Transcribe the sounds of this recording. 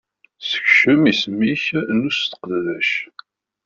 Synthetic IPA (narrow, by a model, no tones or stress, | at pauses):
sə̥çʃəmismiçnust̪ə̥qððæʃ